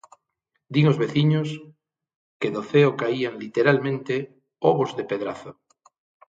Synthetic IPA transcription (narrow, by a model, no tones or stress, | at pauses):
d̪iŋozβeθiɲos | keðoθeokaiaŋlit̪eɾalmẽnt̪e | oβozðepeðɾaθo